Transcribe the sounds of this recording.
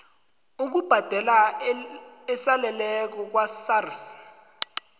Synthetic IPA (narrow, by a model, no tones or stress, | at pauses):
uk̬ub̥ʱad̥ʱɛla | ɛsalɛlɛk̬ɔk̬wasars